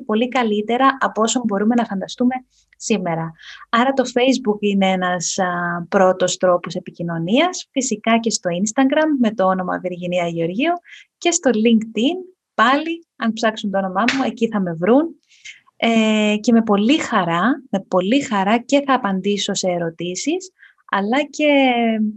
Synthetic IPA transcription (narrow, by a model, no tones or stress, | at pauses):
po̞likɐlit̪e̞ɾɐʔɐpo̞so̞mbo̞ɾume̞nɐfɐnd̪ɐst̪ume̞ | sime̞ɾɐɐɾɐt̪o̞fe̞jzbukineenɐspɾo̞t̪o̞st̪ɾo̞pose̞picino̞niɐsfisikɐce̞st̪o̞inst̪ɐɡɾɐmːe̞t̪o̞o̞no̞mɐ̰ðiɾʝiniɐʝio̞ɾʝioce̞st̪o̞liŋkt̪in | pɐli | ɐnpsɐksunt̪oono̞mɐmue̞ciθɐme̞vɾun | ece̞me̞po̞lixɐɾɐme̞po̞lixɐɾɐce̞θɐːpɐnd̪iso̞se̞ːɾo̞t̪isis | ɐ̰lɐce̞